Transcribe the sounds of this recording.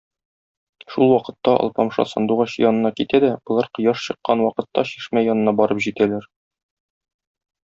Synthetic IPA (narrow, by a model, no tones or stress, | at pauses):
ʃulˠwɒqɤ̆t̪ːɑʔɒ̰lˠpɑmʃɑ̰sɒ̰nd̪uʁɑɕjɒnɤ̆nɑkit̪æd̪æbŏlˠɑɾqŏjɑʃɕɤ̆qːɑnwɒqɤ̆t̪ːɑɕiʃmæjɒnɤ̆nɑbɒɾɤpʑit̪ælæɾ